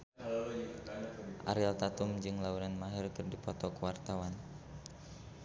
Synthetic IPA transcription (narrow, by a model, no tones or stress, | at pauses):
ʔa̰ɾalt̪at̪umd͡ʒɨŋlaunanmaɦɛrkɨrdipɔt̪ɔkuwart̪awan